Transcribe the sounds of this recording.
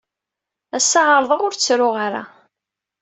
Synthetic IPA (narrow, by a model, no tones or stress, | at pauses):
æsːɑʁəɾˤðˤəʁʊɾt͡sːɾʊʁaɾa̰